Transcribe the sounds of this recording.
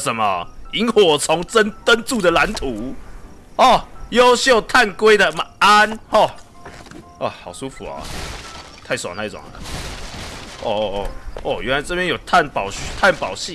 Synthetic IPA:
sə˨˦nmɐ˨i˨˦nwɔ˨˩t͡sʰɔ˨˧˥ŋt͡sə˦nt̪ə˦˥nt͡su˥˨d̪ə˨la˧˦nt̪ʰu˨˦ | ɔ˥˨˩jo˦ʊɕjo˥˨ʊt̪ʰa˥˨nkwe˥ɪd̪ə˨ma˨a˦nhɔ˥˨˩ | ɔ˥˩xɑ˨˩ʊsu˦˥fu˨ɐ̰˨˩ | t̪ʰa˥˩ɪswŋt̪ʰa˥˩ɪt͡sɔ̰˨˩ŋə̰˨˩ | ɔ˥˧˩ɔ˥˧˩ɥɛ˦˥nla˧˦t͡sɤ˥˧pjɛ˥njo˨˩ʊt̪ʰa˥˨npɑ˨˩ʊɕt̪ʰa˥˨npɑ˨˩ʊɕi˥˨

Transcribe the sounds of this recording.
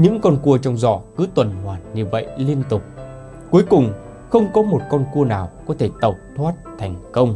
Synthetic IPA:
ɲɨ̰˧˥ŋkɔ˧nku˧ət͡ɕɔ˧wŋ͡mzɔ̰˧˥kɨ˨˦t̪wə˨˩nŋwaː˨˩nɲɨ˧˩və̰˧˨jli˧ənt̪ʊ˨˩k͡p̚ | ku˨˦əjkʊ˨˩ŋ͡m | xə˧wŋ͡mkɔ˨˦mo˨˩t̚kɔ˧nku˧ənaː˨˩wkɔ˨˦t̪ʰe˧˩t̪ə˨˩wk͡p̚t̪ʰwaː˦˥t̚t̪ʰa˨˩jŋ̟kə˧wŋ͡m

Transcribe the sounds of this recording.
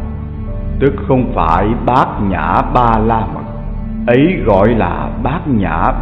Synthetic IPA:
t̪ɨ˦˥k̚xə˧wŋ͡mfaː˧˩jɓaː˦˥k̚ɲa̰ː˧˩˥ɓaː˧laː˧mə̰˨˩t̚ | ʔə˨˦jɣɔ̰˧˨jla̰ː˨˩ɓaː˦˥k̚ɲa̰ː˧˩

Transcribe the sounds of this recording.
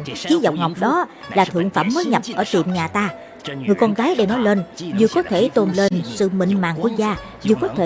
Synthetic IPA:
t͡ɕi˨˦za˨˩wk͡p̚ŋa˨˩wk͡p̚ɗɔ˨˦laː˨˩t̪ʰɨ̰˧˨əŋfaː˧˩mːəː˨˦jɲə˨˩p̚ʔəː˧˩t̪ḭ˨˧˨əmɲaː˨˩t̪aː˧ | ŋɨ˨˩əjkɔ˧nkaː˨˦jɗe˧˩nɔ˨˦jle˧nzɨ˨˩kɔ˨˦t̪ʰe˧˩t̪o˧nle˧nsɨ̰˧˨mḭ˧˨ŋma̰ː˨ŋku˧˩ək̚zaː˧ | zɨ˨˩kɔ˨˦t̪ʰe˧

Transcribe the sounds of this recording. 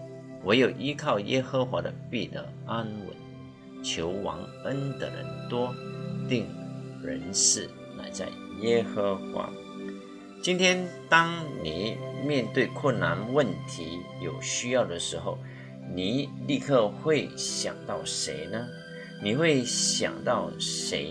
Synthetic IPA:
wɔ˧˥jo˨˩ʊʔi˥kʰɑ˥˩ʊjʔɛ˥xɤ˧˥xwa˧˥d̪ə̰˧pi˥˩d̪ə̰˧˩˦a˥nwə̰˧˥n | t͡ɕʰjo˧˥ʊwɑ̰˧˥ŋ | ə˥nd̪ə̰˨˩ɻə̰˧˥nt̪wɔ˥t̪i˥˩ŋɻə̰˧˦nʂɻ̩˥˩ | la̰˧˥ɪt͡sa̰˥˩ɪ | jɛ˥xɤ˧˥xwa̰˧˥ | t͡ɕi˥nt̪ʰjɛ˥nt̪ɑ˥ŋni˨˩˦mjɛ˥˧nt̪we˥˧ɪkʰwə˥˩nːa˧˥nwə˥˨˩nt̪ʰi˧˥˦ | jo˨˩ʊɕy˥jɑ˥˩ʊd̪ə˩ʂɻ̩˧˥xo˥˩ʊ | ni˨˩li˥˧kʰɤ˥˧xwe˥˩ɪɕjɑ̰˨˩ŋt̪ɑ˥˩ʊʂe˧˥ɪnə˧ | ni˨˩xwe˥˩ɪɕjɑ̰˨˩ŋt̪ɑ˥˩ʊʂḛ˧˥ɪ

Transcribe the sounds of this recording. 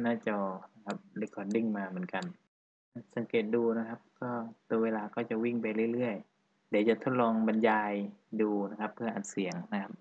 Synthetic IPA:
naː˧˥˩t͡ɕa˧˩na˧˩kʰa˧p̚la˧˦kɔː˧˩di˧˩ŋmaː˧mɯ˩˦ənka˨n | a˧˥˩sa˨˦ŋkeː˨˩t̪̚duː˧na˦˧˩kʰa˦˥p̚kɔː˧˥˩t̪u˧əweː˧laː˧kɔː˥˩t͡ɕa˧˩wi˥˩ŋpa˧˨jlɯː˧˩˨jlɯ˧˥˩əj | dɛː˨˩˦t͡ɕa˧˩t̪ʰo˦˥t̪̚lɔː˧ŋba˧˦njaː˧jduː˧na˦˧˥kʰa˦˧pʰːɯ˥˩ɐʔaː˨˩t̪̚si˨˩˦əŋna˧˥kʰa˦˥p̚

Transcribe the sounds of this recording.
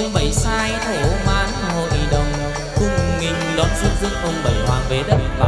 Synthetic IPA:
ɨ˧ŋɓə˧˩jsaː˧jt̪ʰe˨˩ʔo˧˦maː˨˦jhaː˧˩ɦo̰˧˨jɗə˨˩wŋ͡m | kʊ˧˩ŋ͡mŋï˧˩ŋ̟ɗɔ˨˦nzu˦˥t̚zɨ̰˧əŋʔə˧wŋ͡mɓə˨˩jhwaː˨˧˩ŋve˨˦ɗə˨˩˨l

